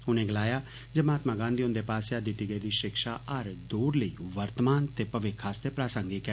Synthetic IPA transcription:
ʊnẽːɡəlaːjaː | d͡ʒəmaːt̪mãːɡãːnd̪iːʊ̃nd̪eːpaːsaːd̪iːʈ̪iɡəːd̪iːʃɪkʃaːʔəɾd̪uːɾləiːʋəɾt̪əmaːnt̪eːpəʋɪkʰːaːst̪eːpɾaːsə̃ŋɡikɛ

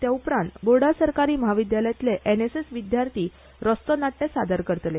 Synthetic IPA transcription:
t̪jaupɾãnt̪boɽasəɾkaɾiːməɦaʋid̪jaləjt̪leʔenesesʋid̪jaɾt̪ʰiː | ɾɔst̪ɔnaʈːesad̪əɾkəɾt̪le

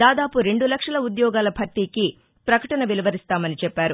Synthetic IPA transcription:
d̪aːd̪aːpuɾe̞ɳɖulɐkʂɐlɐud̪jɔːɡaːlɐbʱɐɾt̪iːki | pɾɐkɐʈɐnɐʋilɐʋɐɾist̪aːmɐnit͡ʃɛpːaːɾu

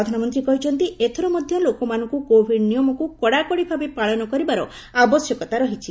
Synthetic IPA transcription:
ɾɔd̪ʱanɔmɔnt̪ɾikɔɦit͡ʃʰɔnt̪iet̪ʰɔɾɔmɔd̪ʱjɔlokɔmanɔŋkukobʱiɖnijɔmɔkukɔɽakɔɽibʱabepaɭɔnɔkɔɾibaɾɔ̰ | abɔsjɔkɔt̪aɾɔɦit͡ʃʰi

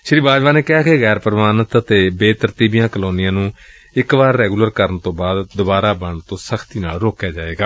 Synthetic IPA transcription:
ʃɾiːbaːd͡ʒʋãːneːkɪɦaːkeɣɛːɾpəɾəmaːnət̪ət̪eːbeːt̪əɾt̪iːbijãːkəloːnɪjãːnũː | ɪkʋaːɾːɛːɡuːləɾkəɾənt̪õːbaːd̪d̪ʊbaːɾaːbəɳt̪õːsəkʰt̪iːnaːlɾoːkjaːd͡ʒaːeːɡaː

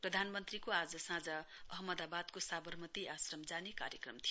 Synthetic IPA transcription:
prʌd̪ʱanmʌnt̪rikoad͡zʌsãd͡zʌ | ʌɦmʌd̪abad̪kosabʌrmʌt̪iʔasrʌmd͡zaneka̰ɾjʌkrʌmt̪ʰijo

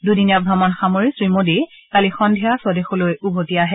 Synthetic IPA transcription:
dudinap̚ɡʱamɔnxamoɹisɹimodi | kalixɔndʱijasɔdexolojubʱotijaɦɛ

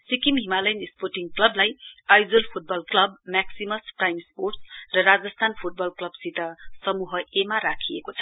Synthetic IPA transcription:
sikimɦimalʌjnisporʈiŋklʌblajajd͡zʌlpʰuʈ̚bʌlklʌbmaksimʌsprajmsporʈsrʌɾad͡zʌst̪ʰanpʰuʈ̚bʌlklʌbsit̪asʌmuɦʌʔemaɾakʰijekot͡sʰʌ̥

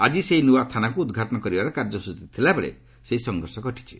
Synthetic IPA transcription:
ad͡ʒiseinuwat̪ʰanakuːd̪ɡʱaʈɔnɔkɔɾibaɾɔkaɾd͡ʒɔsust̪it̪ʰilabeɭḛ | seisɔŋɡʱɔɾsɔɡɔʈi̥t͡ʃʰi̥

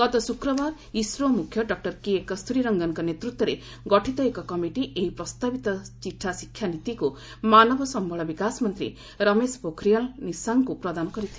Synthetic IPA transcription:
ɡ̥ʌt̪ʌsukɾʌbaɾ | isɾomukʰjʌɖʌk̚ʈʌrkiekʌst̪ʰuɾiɾʌŋɡʌnkanet̪ɾut̪wʌɾe | ɡʌʈʰit̪ʌekʌkʌmiʈiʔeɦipɾʌst̪abit̪ʌt͡siʈʰːasikʰːjanit̪iko | manʌbʌsʌmbʱʌɭʌbikasmʌnt̪ɾḭ | ɾʌmespokʰɾijʌlnisaŋkupɾʌd̪anɔkʌɾit̪ʰi

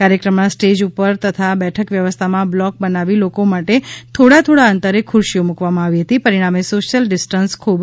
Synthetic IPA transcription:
kaɾjəkɾəmnasʈed͡ʒupəɾt̪ət̪ʰabɛʈʰəkʋjəʋəst̪ʰamãblɔk̚bənaʋilokomaʈet̪ʰoɽat̪ʰoɽaənt̪əɾekʰʊɾʃijomukʋamãaʋiɦət̪ipəɾiɽ̃amesoʃjəlɖɪsʈənskʰub

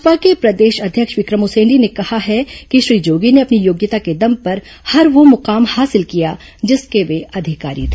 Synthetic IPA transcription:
pakepɾɐd̪eːʃɐd̪ʱjəkʃʋɪkɾəmʊsẽːɳɖinekɐhaɦɛkiʃɾiːd͡ʒoːɡineɐpnijoːɡjət̪aked̪ɐmpɐɾ | hɐɾʋomʊqaːmhaːsɪlkija | d͡ʒɪskeʋeɐd̪ʱɪka̰ːɾḭt̪ʰː

